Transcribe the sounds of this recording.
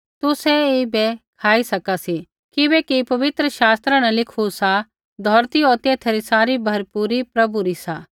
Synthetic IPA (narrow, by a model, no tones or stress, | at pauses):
t̪usɛebɛkʰaːisɐkasi | kɪbɛkipɐʋɪt̪ɾəʃaːst̪ɾãnɐ̃lɪkʰusa | d̪ʱɔːɾt̪ioːt̪et̪ʰeːɾisaːɾibʱɐɾpuːɾipɾɐbuɾisaː